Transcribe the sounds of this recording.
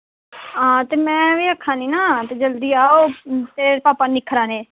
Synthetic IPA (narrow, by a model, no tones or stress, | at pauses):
aːt̪eːmɛ̃ːʋiːəkʰːãːniːnaːt̪eːd͡ʒəld̪iːaːoːt̪eːpaːpaːnɪkʰːɾaːneː